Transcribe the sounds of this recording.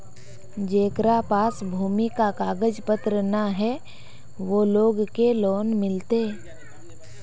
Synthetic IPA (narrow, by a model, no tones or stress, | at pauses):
d͡ʒeːkɾapaːsbʱuːmikakaːɡəd͡ʒpət̪ɾənaɦɛ | ʋoloːɡkelɔːnmɪlt̪e